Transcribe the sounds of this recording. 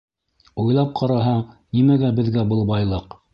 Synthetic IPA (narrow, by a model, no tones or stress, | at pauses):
ujlˠɑp̚qʰɑɾɑɦɑnimæɡæbɘ̆ðɡæbɤlˠbɑjlˠɤq